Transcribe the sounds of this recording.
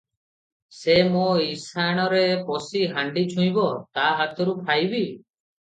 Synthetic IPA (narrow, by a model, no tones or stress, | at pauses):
semoisaɽ̃ɔɾepɔsiɦaɳɖit͡ʃʰũj̃bɔt̪aɦat̪ʰɔɾupʰajbi